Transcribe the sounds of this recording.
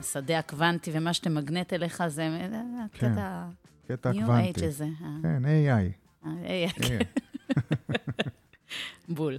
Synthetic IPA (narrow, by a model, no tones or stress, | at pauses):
sad̪eakvant̪ivemaʃt̪emaɡnet̪eleχazemaketa | ket̪anjkuvanejtid͡ʒezeakeneaj | aejajk | bul